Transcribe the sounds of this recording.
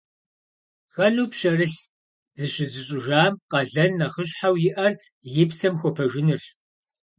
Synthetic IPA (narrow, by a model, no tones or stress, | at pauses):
xɐɮuːpɕɐrɨɬ | zɨɕɪzɨɕʼɪʒaːmqɐɮɐnnɐχəɕħawjɪʔɐr | jɪpsɐmxʷɔpʰɐʒɪnɨr